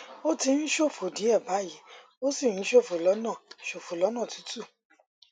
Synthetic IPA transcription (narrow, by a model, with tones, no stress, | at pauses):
o˦ti˧ñ̩˦ʃo˦˨fo˨di˨˦ɛ˦˨ba˨˦˨ji˨˦ | o˦si˦˨ñĩ˦ʃo˦˨fo˨lɔ˨˦nãː˦˨ʃo˨fo˨lɔ˨˦nã˦˨tu̥˨˦tu˦˨